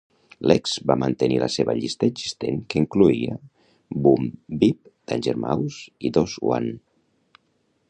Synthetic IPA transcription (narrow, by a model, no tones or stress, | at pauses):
lɛkz̥bamənt̪əniləseβəʎist̪əːɡzist̪eŋkəiŋkluiə | bumbip̚d̪̥anʲʒəɾmawsiðozwa̰n